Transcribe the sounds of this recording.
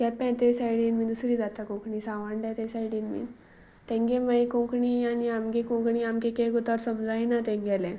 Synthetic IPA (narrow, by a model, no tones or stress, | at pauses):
kɛpɛ̃t̪esajɽinmid̪usɾiːd͡zat̪akõkɳisãʋãɳɖɛ̃t̪ẽsajɽinmḭ | t̪ɛ̃ŋɡeməjkɔ̃kɳianiamkekɔ̃kɳiamkẽkɛɡɔt̪aɾsəmd͡zainat̪ɛ̃ŋɡɛlɛ̃